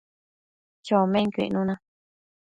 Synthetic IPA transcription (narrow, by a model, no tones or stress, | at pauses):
t͡ʃomẽŋkʷḭʔnũnã